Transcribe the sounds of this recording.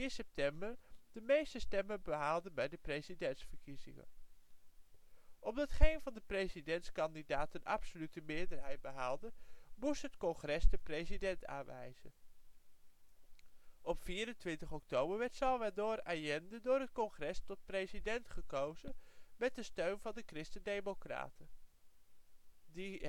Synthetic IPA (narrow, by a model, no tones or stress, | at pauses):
ɪnsɛp̚tɛmbəɹd̥əmejstəstɛmənbəɦaːlˠdənbɛjdəprejzidɛntsfəɹkizɪ̰ŋə̰n | ʔɔmdɑtχejnvɑndəprejzidɛntskɑndidaːtənɑ̰psolytəmɪːɹdəɹɦɛjd̚bəɦaːlˠdəmustɦətkɔnχrɛsdəprejzidɛnta̰ːnʋɛ̰jz̥ə̰n | ʔɔpfiːɾəntʋɪntəχɔk̚towbəɹʋɛɹtsɑlˠʋɛdʊːɾaːjɛndədʊːɹɦətkɔnχrɛstɔt̚prejzidɛntχəkowzənmɛt̚dəstøɥnvɑndəkrɪstədejmokra̰ːtə | di